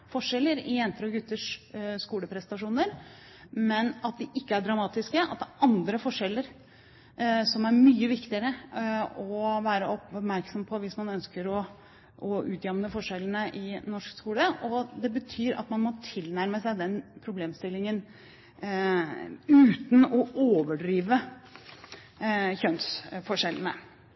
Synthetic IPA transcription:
fɔʂɛlːəɾɪjɛnt̪əɾɔɡʉt̪ːəʂːkuːləpʰɾɛsnɑʂuːnəɾ | mɛnɑt̪̚d̪ɪʔɪkːəæɖɾɑmɑːt̪ɪskəʔɑ̰t̪̚d̪æɾʔɑnd̪ɾəfɔʂɛlːəɾ | sɔmæɾmyːəʋɪkt̪ɪəɾə | ɔʋæːɾəɔpmæɾksɔmpʰɔʋɪsmɑnœnskəɾɔ | ʔɔʉːt̪jɛmnəfɔʂɛln̩əʔɪnɔʂkskuːləʔɔd̪ɛbət̪ʰyːɾʔɑ̰t̪mɑnmɔt̪ʰɪlnæɾməsæɪd̪ɛnpʰɾʊbleːmst̪ɪlːɪŋən | ʉːt̪n̩ɔʔoːʋəɖɾiːʋə | çœnsfɔʂɛlən̩ə

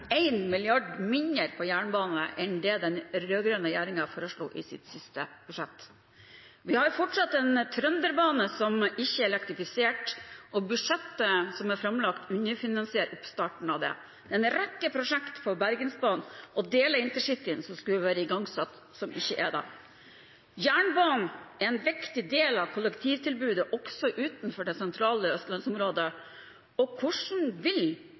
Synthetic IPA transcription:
æɪnmɪlɪɑɖmɪnɪəɾpʰɔjæːɳbɑːnnə̰ʔɛnd̪ɛːd̪ɛnɾøːɡɾœnəjæːɾɪŋɑfoːɾəʂɭṵːʔɪ̰sɪ̰t̪sɪst̪əb̥ʉʂɛt̪ː | ʋɪhɑɾfɔʈʂɑt̪ːɛnt̪ʰɾœnd̪əɾbɑːnəsɔmɪçːəɛɾɛlɛkt̪ɾɪfɪseːʈʔɔbʉʂɛt̪ːəsɔmæɾfɾɑmlɑkt̪ʉɲəɾfɪnɑnsɪɛɾɔpst̪ɑːʈɳ̩ɑʋd̪ɛ̰ | d̪ɛɛnɾɛkːəpʰɾʊʂɛkt̪fɔɾbæɾɡənsbɑːnʔɔd̪eːləɾɪnt̪əʂɪt̪ːɪənsɔmskʉləʋæːɾəɪɡɑŋsɑt̪ | sɔmɪçːəʔɛd̪æ̰ | jæːɳbɑːnn̩ɛɾɛnʋɪkt̪ɪd̪eːlɑʋkʰʊlːəkt̪ʰiːʋt̪ʰɪlbʉːd̪əʔɔksɔʔʉːt̪n̩fɔɖɛsɛnt̪ʰɾɑːləœst̪lɑnsɔmɾoːd̪ə | ɔkʰʊʂn̩ʋɪl

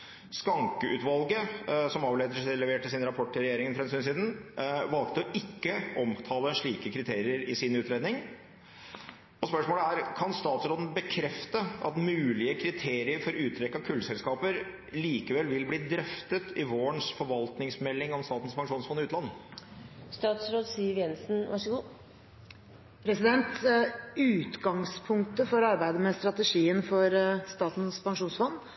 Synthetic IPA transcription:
skɑŋkəʔʉːt̪ʋɑlɡəsɔmɑːʋleːd̪əʂlɛʋeːʈəsɪːnɾɑpʰɔʈːɪɾɛjeːɾɪŋənfɔɾɛnsyːnsiːd̪n̩ʋɑlt̪əɔʔɪkːəʔɔmt̪ʰɑːləʂɭiːkəkʰɾɪt̪ʰeːɾɪəɾɪsɪnʉːt̪ɾeːd̪nɪŋ | ɔspœʂmoːləæɾkʰɑnst̪ɑːt̪sɾoːd̪n̩bəkʰɾɛft̪əɑt̪mʉːlɪəkʰɾɪt̪ʰeːɾɪəɾfɔɾʉːt̪ʰɾɛkːɑkʰʉlːsɛlskɑːpəɾ | liːkəʋɛlʋɪlbliːd̪ɾœft̪ət̪ɪʋoːəɳʂfɔɾʋɑlt̪nɪŋsmɛlːɪŋɔmst̪ɑːt̪n̩spɑŋʂuːnsfɔnːɪʉːt̪lɑnːə | st̪ɑːt̪sɾoːd̪siːʋjɛnsn̩ʋɑʂəɡuː | pʰɾɛsɪd̪ɛnt̪ | ʉːt̪ɡɑŋspʰʊŋk̚t̪əfɔɾɑɾbæɪd̪əmɛst̪ɾɑt̪əʂiːənfɔɾst̪ɑːt̪n̩spɑŋʂuːnsfɔnː

